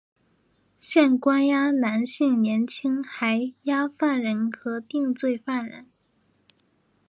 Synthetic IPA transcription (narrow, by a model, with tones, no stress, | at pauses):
ɕjɛ˥˩nkwa˥nja˥na˧˥nɕi˥˩ŋnjɛ˧˥nt͡ɕʰi˥ŋxa˧˥ɪja˥fa˥˩nɻə˧˥nkʰɤ˧˥t̪i˥˧ŋt͡swe˥˧ɪfa˥˩nɻə̰˧˥n